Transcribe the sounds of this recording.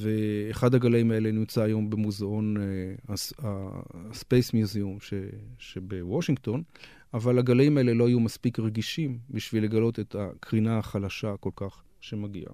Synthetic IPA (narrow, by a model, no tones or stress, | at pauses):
ve̞ːχad̪haɡalaimae̞lenimt͡saːjo̞mbe̞muzao̞naaspejsmjuzeumʃeʃe̞be̞woʃiŋɡt̪o̞n | avalaɡalimae̞le̞lo̞ajumaspikʁeɡiʃimbiʃvilːe̞ɡalo̞t̪e̞t̪akʰʁinaaχalaʃako̞lkaχ | ʃe̞maɡḭa̰